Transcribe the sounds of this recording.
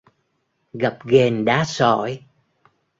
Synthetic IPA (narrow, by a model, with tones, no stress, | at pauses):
ɣə˨˩p̚ɣe˨˩nɗaː˨˦sɔ̰˧˨˩j